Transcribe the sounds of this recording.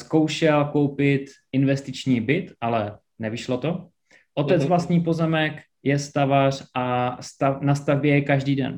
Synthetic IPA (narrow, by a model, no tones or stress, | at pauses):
sko̞wʃɛlko̞wpɪt̪ʔɪnvɛst̪ɪt͡ʃɲiːbɪt̪ʔalɛ | nɛvɪʃlot̪o̞ | ʔot̪ɛt͡svlast̪ɲiːpo̞zɛmɛk | jɛst̪avar̝̥ʔast̪anast̪avbjɛjɛkaʒdiːdɛ̰n